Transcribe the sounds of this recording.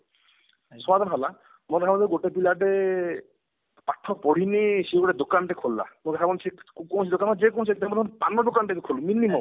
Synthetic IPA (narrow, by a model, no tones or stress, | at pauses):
sɔad̪ʱɔnɔɦɔla | mɔɔɾʰabɔnd̪eɡoʈepilaʈe | paʈʰːɔpɔɽ̤inesiɡoʈed̪okanʈekʰolːa̰moɡɾʰabɔnt͡ʃʰekɔw̃t͡ʃʰid̪okanɔd͡ʒekõw̃t͡ʃʰiekt̪ʰamɔd̪ɔnpanːɔɖ̪okanʈekukʰoluminimɔ